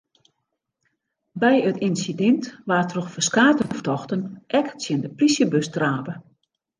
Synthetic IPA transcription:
bɛjətinsidɛntʋaːrtrɔxfəskaːtəftɔxtənʔɛksjəndəprisjəbøstraːpə

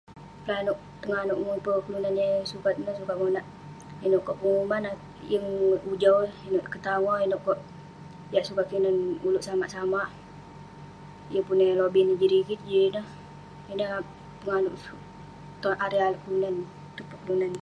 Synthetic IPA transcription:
pəlanoʔ | pəŋanʊʔŋupəkəlunanjəsukat̪̚nəhsukaʔmonaʔ | inoʔkɔʔəŋumana | jəŋud͡ʒawinoʔkət̪aŋɔinoʔkɔʔ | jaʔsukat̪̚kəlunanuluʔsamaʔsamaʔ | ijəpunelobinid͡ʒəɾikit̪d͡ʒəɾinəh | inə | pəŋanʊʔ | t̪ɔnaɾealkəlunan | t̪upuʔkəlunan

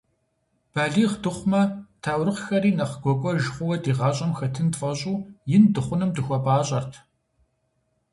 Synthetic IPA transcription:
b̥aːɮiːʁdɨχʷʊmɐtʰaːwrɨqxɐɾiːnɐχɡʷɔkʷʼɔʒɪχʷʊwɐdiːʁɑːɕʼɐmxɐtʰɨntfʼɐɕʼuːjɪndɨχʷʊnɨmdɨxʷɔpʼaːɕʼɐrtʰ

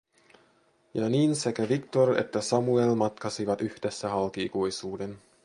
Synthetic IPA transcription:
jɑniːnse̞kæʋikt̪orḛt̪ːæsɑmuelmɑt̪kɑsiʋɑt̪yhd̥esːæhɑlkiːkujsuːden

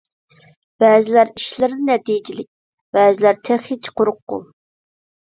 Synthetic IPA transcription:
b̥ɛːzɪlæɾiʃlɪɾd̪ɪnɛt̪id͡ʒilɪk̚ʲ | b̥ɛːzɪlæɾt̪ʰæχit͡ʃʰqʰoɾʊqːo̰lˠ

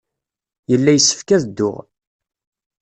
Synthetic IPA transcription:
jəlːæjəsːə̥fkæðd̪ːʊ̰ʁ

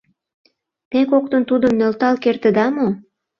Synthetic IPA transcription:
t̪ekok̚t̪ənt̪ud̪ə̆mnølt̪ɑlkert̪ə̆d̪ɑmo

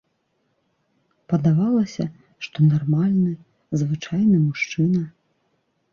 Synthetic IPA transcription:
pɐd̪avalˠɐsʲɐ | ʂt̪ɔnarmalʲnɨ | zvɨt͡ʂajnɨmuʂt͡ʂɨnɐ

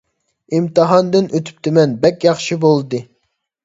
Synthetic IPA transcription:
imt̪ɨɦɑnd̪ɨnøt̪ʰy̥p̚t̪ʰɪmɛnbɛkʲjɑχʃibolˠd̪ɨ

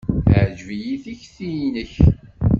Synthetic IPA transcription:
əʕd͡ʒvijiθiçθijinəç

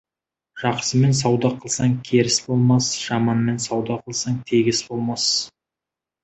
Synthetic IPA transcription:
ʒ̥ɑqsəme̞ns̬ɑwd̪ɑqʰəlˠsɑŋkʲʰe̞ɾɪsbo̞lˠmɑsʒ̥ɑmɑnme̞nsɑwd̪ɑqʰəlˠsɑŋt̪ʰe̞ɡʲɪsbo̞lˠmɑs

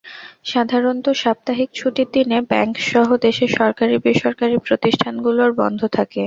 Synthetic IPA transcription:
ʃad̪ʱaɾont̪oʃab̚t̪aɦikt͡ɕʰuʈid̪inebɛŋkʃɔɦod̪eʃeʃɔɾkaɾibiʃoɾkaɾipɾot̪iʃʈʰanɡuloɾbɔ̰nd̪ʱot̪ʰake

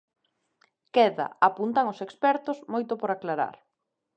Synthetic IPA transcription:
kɛða̰apunt̪aŋʊsekspɛɾt̪ʊsmojt̪ʊpoɾaklaɾa̰ɾ

